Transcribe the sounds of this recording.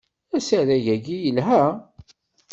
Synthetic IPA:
æsæðæʝæɡijəlɦæ

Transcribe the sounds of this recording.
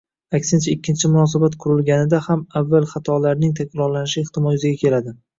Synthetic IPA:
akʲsɪnt͡ʃʰaɪkʲːɪnt͡ʃʰɪmʊnɒs̬abat̪qʰʊɾɪlɡʲanɪd̪ahamavːalˠχat̪ʰɒlaɾnɪŋt̪ʰakʲɾɒɾlanɪʃɪɪht̪ʰɪmɒjʊzɪɡʲakʲʰe̞lad̪ɪ

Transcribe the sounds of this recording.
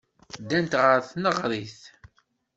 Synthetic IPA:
d̪ænt̪ʁəɾθnəʁɾˤiθ

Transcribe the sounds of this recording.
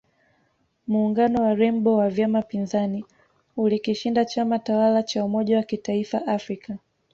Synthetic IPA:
muːŋɡanɔwaɾɛmbɔwavjamapinzani | ulikiʃindat͡ʃamatawalat͡ʃaumɔʄawakitaifaʔafɾika

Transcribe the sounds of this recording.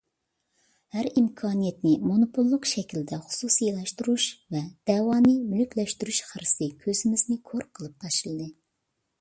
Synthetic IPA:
hæɾimkʰɑːnijɛt̪nɪmonopʰolˠːʊqʃɛkʲʰild̪ɛχʊ̥susijelˠɑʃt̪uɾuʃvɛd̪̥ɛwɑːnɨmylykʲlɛʃt̪yɾyʃχæɾsɨkʲʰøzɪmɪznɪkʰoɾqʰəlˠɨp̚t̪ʰɑʃɨlˠɨd̪ɨ

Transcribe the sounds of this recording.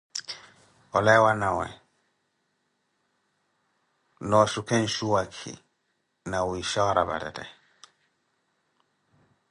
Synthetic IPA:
ɔlɛwanawɛ̰̃ | nɔʃukʰɛ̃n̩ʃuwakʰḭ | nawiʃɛwaɾaba̰dɛ̰tɛ̰

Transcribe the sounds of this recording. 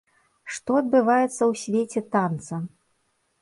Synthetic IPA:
ʂt̪ɔɐd̪̚bɨvajɛt̪sːɐwsʲvʲet͡sʲɛt̪ant̪sɐ

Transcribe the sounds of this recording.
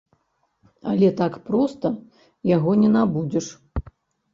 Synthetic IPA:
a̰lʲɛt̪akpɾɔst̪ɐ | jaɣɔnʲɛnabud͡zʲɛʂ

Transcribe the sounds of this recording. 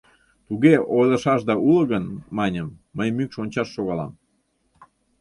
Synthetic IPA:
t̪uɣeojlə̆ʃɑʃd̪ɑʔuləɣənmɑnʲəmːəjmykʃonʲt͡ɕɑʃːoɣɑlɑ̰m

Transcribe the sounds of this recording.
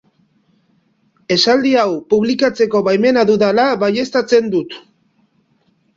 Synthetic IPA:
e̞sald̪iawpuβ̞likat͡se̞ko̞βajme̞naðuðalaβaje̞st̪at͡se̞nd̪ut̪

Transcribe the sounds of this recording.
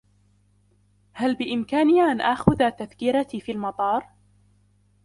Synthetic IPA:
halbɪʔɪmkaːnɪaʔanʔaxʊðaːt̪aθkɪɾat̪iːfiːlmɑt̪ˤɑːɾˤ

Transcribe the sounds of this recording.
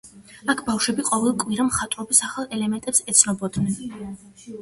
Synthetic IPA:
akʰbafʃwɛbiqʼɔvɛlˠkʼwiɾamχat̪ʼɾɔbisaχalˠɛlɛmɛnt̪ʼɛpsɛt̪sʰnɔbɔd̪nɛn

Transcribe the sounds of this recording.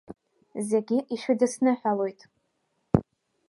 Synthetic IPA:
ze̞ɡʲiʔiʃᶣɪdɨsnɨħʷᶣalo̞jtʼ

